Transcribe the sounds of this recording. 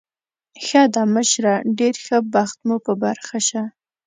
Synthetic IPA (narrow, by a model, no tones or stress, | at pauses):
xɑd̪ɑməʃɾaɖeɾxəbaxt̪mupəbaɾxaʃa